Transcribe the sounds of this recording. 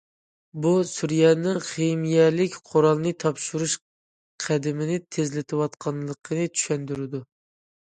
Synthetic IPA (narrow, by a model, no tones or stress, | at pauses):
busyɾjɛnɨŋχemijɛlɪkʲqʰoɾɑlˠnɨt̪ʰɑpʃuɾuʃ | qʰæd̪ɪmɪnɪt̪ʰezlɪt̪ʰɨwɑt̪qʰɑnlˠəqʰənɨt͡ʃʰy̥ʃɛnd̪yɾɪd̪u